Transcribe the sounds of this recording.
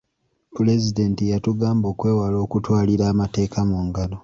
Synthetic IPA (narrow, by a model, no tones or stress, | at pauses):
pule̞zide̞ntijatuɡaːmbo̞ːkwe̞ːwalo̞ːkutwaːliɾaːmate̞ːkamuːŋɡano